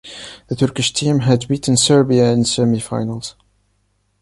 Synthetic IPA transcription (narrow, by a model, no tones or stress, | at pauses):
ðətʰɜɹkɪʃtʰĩmɦɨdbiʔn̩sɜ˞biəɨ̃nsəmifa̰ɪnəlˠz̥